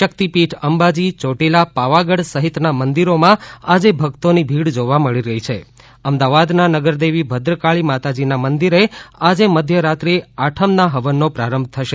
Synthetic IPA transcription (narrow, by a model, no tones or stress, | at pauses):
ʃək̚t̪ipiʈʰəmbad͡ʒit͡ʃoʈelapaʋaɡəɽsəɦit̪namənd̪iɾomãad͡ʒebʱəɡt̪onibʱiɽd͡ʒoʋaməɭiɾəɦit͡ʃʰe | əmd̪aʋad̪nanəɡəɾd̪eʋibʱəd̪ɾəkaɭimat̪ad͡ʒinamənd̪iɾead͡ʒeməd̪ʱjəɾat̪ɾeaʈʰəmnaɦəʋənːopɾaɾəmb̚ʱt̪ʰəʃe